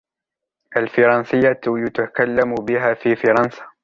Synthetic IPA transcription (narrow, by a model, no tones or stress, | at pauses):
ʔalfɑɾˤɑnsɪjːajʊt̪akalːambɪɦaːfiːfɑɾˤɑnsḁ